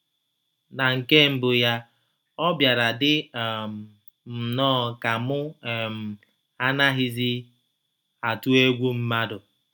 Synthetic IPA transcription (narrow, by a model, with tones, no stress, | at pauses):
na˨ŋ̩˨ke˦m̩˨bʊ˨ja˦ | ɔ˦bja˨ɾa˨dɪ˦˨m̩˨ | m̩˨nɔː˦˨ka˨mʊ˦˨m̩˨ | a˦na˦ɦɪ˦zi˦ | a˨tu˦e˦ɡʷu˦m̩˦ma˦dʊ˨